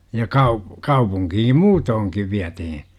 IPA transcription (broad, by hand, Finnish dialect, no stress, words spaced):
jɑ kɑu kɑupuŋkihim muːtoːŋkiʋ ʋiætihi